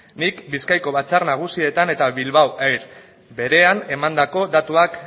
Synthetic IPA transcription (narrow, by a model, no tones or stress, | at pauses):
nikbiskajko̞βat͡saɾnaɣ̞usie̞t̪ane̞t̪aβilβawʔajɾ | be̞ɾe̞ane̞mand̪ako̞d̪at̪uak